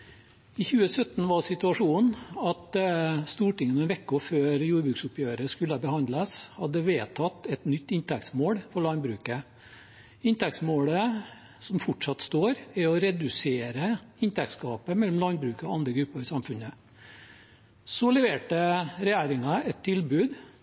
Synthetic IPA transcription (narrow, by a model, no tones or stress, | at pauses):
ɪçʉːəsœt̪ːn̩ʋɑsɪt̪ʉɑʂuːnɑt̪st̪uːʈɪŋːənɛnʋɛkːɔføːɾjuːɾbɾʉːksʊpʰjøːɾəskʉlːəbəhɑnd̪ləshɑd̪ːəʋeːt̪ʰɑt̪ːɛt̪nʏt̪ːɪnt̪ɛk̚t̪smoːɽfɔɭɑnbɾʉːkə | ɪnt̪ɛkt̪smoːlə | sɔmfɔʈʂɑt̪ːst̪oːɾɛɔɾɛd̪ʉseːɾəɪnt̪ʰækt̪skɑːpəmɛlːɔmlɑnbɾʉːkəɔɑnd̪ɾəɡɾʉpːəɾɪsɑmfʉnə | sɔlɛʋeːʈəɾɛjæːɾɪŋɑɛt̪ʰːɪlbʉːd̪